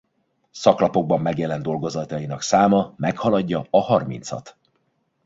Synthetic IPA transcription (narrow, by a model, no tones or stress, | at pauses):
sɒklɒpo̞ɡ̚bɒmːɛɡjɛlɛnd̪o̞lɡo̞zɒt̪ɒjinɒksaːmɒmɛkhɒlɒɟːɒɒhɒrmḭnt̪sɒ̰t̪